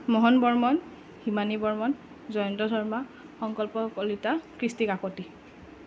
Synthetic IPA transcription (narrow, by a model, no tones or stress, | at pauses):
mɔɦɔnbɔɹmɔn | himanibɔɹmɔn | zɔjɔntɔdʱɔɹma | xɔŋkɔlpɔkɔlitakɹistikakɔti